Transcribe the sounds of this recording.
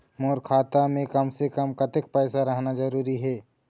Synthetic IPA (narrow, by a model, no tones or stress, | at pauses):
moːɾkʰaːt̪amẽkɐmsekəmkɐt̪ɪk̚pɛːsaɾəɦnad͡ʒɐɾuːɾiɦɛː